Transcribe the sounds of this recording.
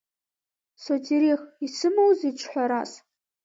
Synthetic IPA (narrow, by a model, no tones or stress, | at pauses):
sotʰiɾixisɨmowziʈ͡ʂʷʰħʷaɾas